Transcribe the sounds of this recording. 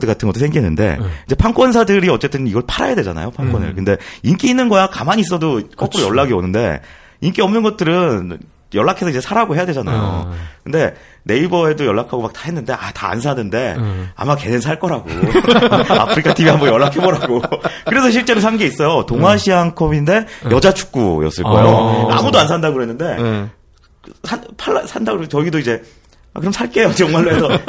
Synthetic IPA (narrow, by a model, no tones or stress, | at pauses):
dɯk͈atʰɯnɡʌt͈ʰːosʰeŋɡinːɯ̰nde̞̰id͡ʑe̞pʰaŋk͈wʌns̬ʰadɯɾiʌt͡ɕ͈e̞t͈ɯniɡʌɭpʰaɾa̰jade̞d͡ʑa̰na̰jopʰaŋk͈wʌnɯ̰ɭkɯnde̞ink͈iːnːɯnɡʌjakamaɲis̬͈ʌdok͈ʌkoojʌɭːaɡionɯnde̞̰ | iŋk͈iʌmnɯnɡʌt̚t͈ɯɾɯn | jʌɭːakʰe̞sʰʌid͡ʑe̞sʰaɾaɡoɦe̞jade̞d͡ʑana̰jo̰kɯnde̞ | ne̞ibʌe̞dojʌɭːakʰaɡomak̚tahe̞nːɯnde̞ʔa̰taa̰nsʰanɯnde̞a̰make̞nensʰaɭk͈ʌɾaɡo̰ | a̰pʰɯɾikʰatʰibiɦambʌnjʌɭːakʰe̞bʌɾaɡokɯɾe̞s̬ʰʌɕ̬ʰiɭt͡ɕ͈e̞ɾosʰaŋɡeis͈ʌjotoŋwaɕʰiaŋkʰʌbinde̞jʌd͡ʑat͡ɕʰu̥k̚k͈ṵjʌ̰s͈ɯɭk͈ʌjoa̰mudoansʰandaɡoɾoɦenːɯnde̞ | sʰanpʰaasʰandaɡoɾt͡ɕʌɡidoid͡ʑe̞ | akɯɾʌmsʰaɭk͈e̞jojŋmaɭːoɦesʰʌ